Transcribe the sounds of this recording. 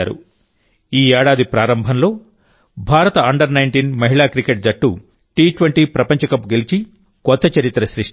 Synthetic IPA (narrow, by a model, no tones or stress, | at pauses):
aːɾṵ | iːɛːɽaːd̪ipɾaːɾɐmbʱɐnlo̞ː | bʱaːɾɐt̪ɐɐɳɖɐɾnɐjɳʈiːnmɐɦiɭaːkɾikeʈ̚d͡ʒɐʈːu | ʈiːʈʋɐɳʈiːpɾɐpɐɲt͡ʃɐkɐpɡelit͡ʃi | kɔt̪ːɐt͡ʃɐɾit̪ːɾɐʃɾiʂ